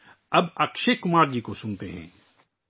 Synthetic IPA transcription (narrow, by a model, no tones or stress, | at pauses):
ɐbɐkʃekʊmaːɾd͡ʒikosʊ̃nt̪ḛɦɛ̰̃ː